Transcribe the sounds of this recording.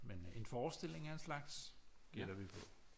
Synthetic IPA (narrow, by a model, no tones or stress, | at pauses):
mene̝nfɒːsd̥e̝l̰e̝ŋæɐenslɑ̈ɡ̥sɡ̥el̰ɐʋipʰɔ̽